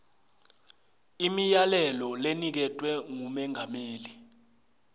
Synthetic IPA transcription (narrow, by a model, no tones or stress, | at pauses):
imijalɛlɔlenik̬ɛtʼwɛŋumɛŋameːli